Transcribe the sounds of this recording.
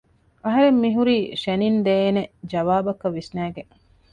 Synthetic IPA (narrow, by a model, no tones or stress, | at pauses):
ɐɦɐɾemːiɦuɾiːʃenind̪eːned͡ʒɐʋaːbɐkɐʋːisnæːɡeŋ